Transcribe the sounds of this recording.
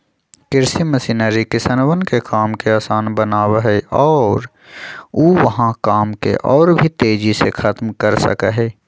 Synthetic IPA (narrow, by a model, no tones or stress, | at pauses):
kɪɾsimɐsinəːɾikɪsənʋənkekʰaːmkeaːsaːnbənaːwaɦɛʔɔːɾ | uːʋɐɦãkaːmkḛʔɔːɾbʱit̪eːd͡ʒisekʰat̪mkəɾsɐ̰kaɦɛː